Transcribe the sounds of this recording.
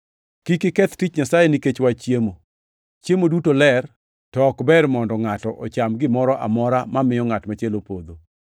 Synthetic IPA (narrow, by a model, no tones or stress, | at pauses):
kikɪkɛt̪tɪt͡ʃɲasajeniket͡ʃwat͡ʃjemo | t͡ʃjemodutolɛr | tɔkbɛɾmɔndɔŋatɔʔɔ̰t͡ʃamɡɪmɔɾɔʔa̰mɔɾamamɪjɔŋatmat͡ʃelopod̪o